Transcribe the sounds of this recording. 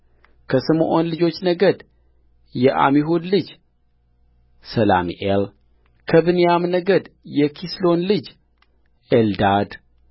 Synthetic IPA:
kʰəsɨmʔo̞nlɨd͡ʒo̞t͡ʃːnəɡəd̪ | jɛʔa̰miɦud̪lɨd͡ʒ | səla̰mḭʔel | kʰəβɨnijamnəɡəd̪jɛkʰislo̞nlɨd͡ʒ | ʔeld̪ad̪

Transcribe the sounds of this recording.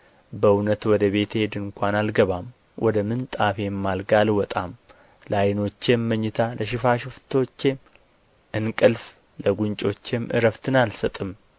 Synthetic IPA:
bəɨwnət̪wɔd̪əβe̞t̪hed̪ɨŋkʷʰanalɡəβam | wʔɔd̪əmɨnt̪ʼafe̞mːalɡalwɔt̪ʼam | lajɪno̞t͡ʃːemːəɲːɪt̪ʰaləʃɪfaʃɪft̪ʰo̞t͡ʃːe̞m | ʔɨnkʼɨlf | ləɡunt͡ʃʼo̞t͡ʃːemʔɨ̰ɾəft̪ʰɨnalsət̪ʼɨm

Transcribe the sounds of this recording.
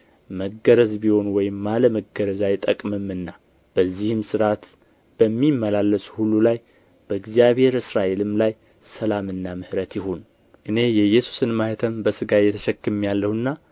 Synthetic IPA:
məɡːəɾəzbiho̞nwɔjɪmːaləməɡəɾəzajt̪ʼəkʼmɨmɨnːa | b̥əzːihɨmsɨɾat̪ | b̥əmːimːəlalːəshulːulaj | b̥əɨɡzijaβhe̞ɾɨsɾaʔe̞lɨmlaj | səlamɨnːamɨhɾət̪jɪɦon | ʔɨne̞jɛjɛsu̥sɨnmaht̪ʰəmbəsɨɡajɛt̪ʰəʃɛkːɨmjalːəhɨnːa

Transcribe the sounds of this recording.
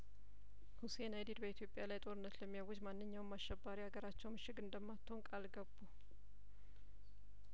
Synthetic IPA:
huse̞najd̪id̪bəit̪ʰjo̞pʼjalajt̪ʼo̞ɾɨnːət̪ləmːijawʊd͡ʒmanːɨɲːawɨmːaʃːɛbːaɾihaɡəɾat͡ʃːɛwmɨʃɪɡɨnd̪əmːat̪ʰːownkʼalɡəbːu

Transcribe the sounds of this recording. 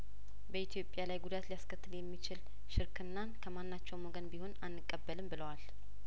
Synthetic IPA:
bəit̪ʰijo̞pʼːjalajɡud̪at̪lijaskʰət̪ʰːɨljɛmːit͡ʃɪl | ʃɪɾkʰɨnːankʰəmanːat͡ʃːɛwmoɡənbiho̞nanːɨkʼːəbːəlɨmbɨləwal

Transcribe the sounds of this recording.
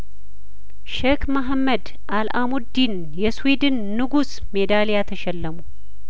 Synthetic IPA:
ʃɛkmaɦamːəd̪ | ʔalʔamud̪ːin | jɛswid̪ɨnːɨɡus | med̪alijat̪ʰəʃɛlːəmu

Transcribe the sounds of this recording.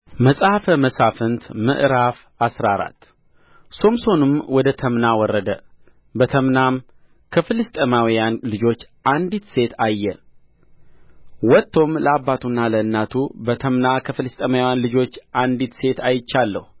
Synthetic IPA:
məsʼahfəməsafɨnt̪mɨ̰ʔɾaf | asɾaɾa̰t̪ː | so̞mso̞nɨmwɔd̪ət̪ʰəmnawɔrːəd̪ə | bət̪ʰəmnam | kʰəfɨlɨst̪ʼəmawijanlɨd͡ʒo̞t͡ʃːʔand̪it̪se̞t̪ʰajːɛ | wɔt̪ʰːo̞mləabːat̪ʰunːaləɨnːat̪ʰubət̪ʰəmnakʰəfɨlɨst̪ʼəmawjanlɨd͡ʒo̞t͡ʃːʔand̪it̪se̞t̪ʰajɪt͡ʃːalːəhu

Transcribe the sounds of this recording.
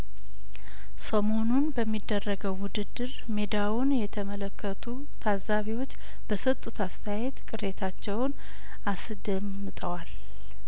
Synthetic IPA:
səmo̞nunbəmːid̪ːərːəɡəwːʊd̪ɨd̪ːɨɾ | med̪awunjɛt̪ʰəmələkʰːət̪ʰu | t̪ʰazaβiwo̞t͡ʃː | b̥əsət̪ʼːut̪ʰast̪ʰəjajet̪kʼɨɾe̞t̪ʰat͡ʃːɛwn | as | d̪əmːɨt̪ʼəwal

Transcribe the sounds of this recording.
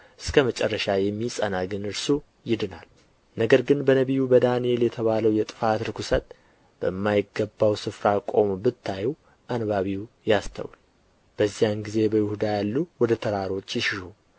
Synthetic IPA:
ʔɨskʰəmət͡ʃʼɛrːəʃajɛmːisʼənaɡɨnɨɾsu | jɪd̪ɨnal | nəɡəɾɡɨnbənəβijubəd̪anie̞ljɛt̪ʰəβaləwjɛt̪ʼɨfat̪ɾɨkusət̪ | b̥əmːajɪɡːəbːawsɨfɾakʼo̞mbɨt̪ʰːajw | ʔanβaβiw | jast̪ʰə̰wl | b̥əzːijanɡize̞bəjɪhud̪ajalːuwɔd̪ət̪ʰəɾaɾo̞t͡ʃːjɪʃɪʃu

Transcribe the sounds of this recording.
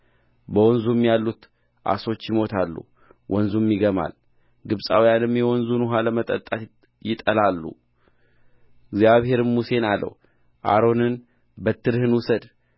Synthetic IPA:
bəwɔnzumjalːut̪ | ʔa̰so̞t͡ʃːjɪmo̞t̪ʰalːṵ | wʔɔnzumjɪɡəma̰l | ɡɨβsʼawjanɨmjɛwɔnzunuɦaləmət̪ʼət̪ʼːat̪ | jɪt̪ʼəlalːṵ | ɪɡzjaβhe̞ɾɨnmuse̞nalːə̰w | ʔa̰ɾo̞nɨn | bət̪ʰːɨɾhɨnwusəd̪

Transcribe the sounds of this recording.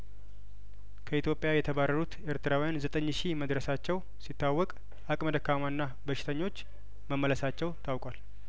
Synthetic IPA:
kʰəit̪jo̞pʼjajɛt̪ʰəβarːəɾut̪eɾt̪ɨɾawijanzət̪ʼəɲːʃiməd̪ɾəsat͡ʃːɛw | sit̪ʰːawːɔkʼ | ʔakʼməd̪əkːamanːa | bəʃɪ̥t̪ʰəɲːo̞t͡ʃː | məmːələsat͡ʃːɛwt̪ʰawkʼal

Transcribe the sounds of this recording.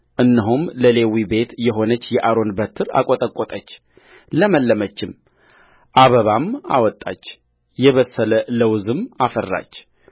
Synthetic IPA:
ʔɨnːɨɦumləle̞wibe̞t̪jɛɦo̞nət͡ʃːjɛʔaɾo̞nbət̪ʰɨɾa̰kʼot̪ʼəkʼːot̪ʼət͡ʃː | ləməlːəmət͡ʃːɪm | ʔaβəβama̰wɔt̪ʼːa̰t͡ʃː | jɛβəsːələləwzɨmafərːa̰t͡ʃː

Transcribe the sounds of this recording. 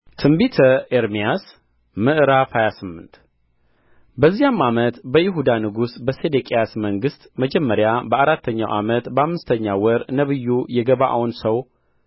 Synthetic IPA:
t̪ʰɨmbit̪ʰəeɾmijas | mɨʔɨɾafhajasɨmːɨnt̪ | bəzːijamːamət̪bəjɪɦud̪anɨɡusbəsed̪ekʼejasməŋɡɨst̪məd͡ʒɛmːəɾjabəaɾat̪ʰːəɲːa̰wʔa̰mət̪bəamːɨst̪ʰəɲːawɔɾnəβɨjːujɛɡəβa̰ʔwnsəw

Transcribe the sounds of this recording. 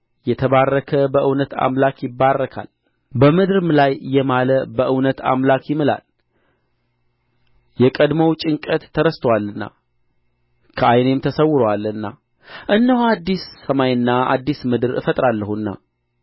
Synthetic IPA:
jɛt̪ʰəβarːəkʰəbəʔɨwnət̪ʰa̰mlakjɪbːarːəkʰa̰l | bəmɨd̪ɨɾmlajjɛmaləbəʔɨwnət̪a̰mlakjɪmɨla̰l | jɛkʼəd̪məwt͡ʃʼɪŋkʼət̪ʰːəɾəst̪ʰəwalːɨnːa̰ | kʰəajnemt̪ʰəsəwːʊɾəwalɨnːa | ʔɨnːəhuad̪ːisːəmajɨnːaa̰d̪ːismɨd̪ɨɾɨ̰fət̪ʼɾalːəhunːa̰

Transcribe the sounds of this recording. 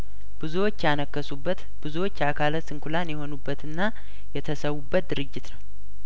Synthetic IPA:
b̥ɨzuwo̞t͡ʃːjanəkːəsubːət̪ | b̥ɨzuwo̞t͡ʃːakʰalət̪sɨŋkulanjɛho̞nubːət̪ɨnːa | jɛt̪ʰəsəwubːət̪̚d̪ɨɾɨd͡ʒːɪt̪nəw

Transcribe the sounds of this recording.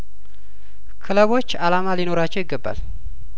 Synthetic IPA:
kʰɨləβo̞t͡ʃːalamalino̞ɾat͡ʃːɛwjɪɡːəbːa̰l

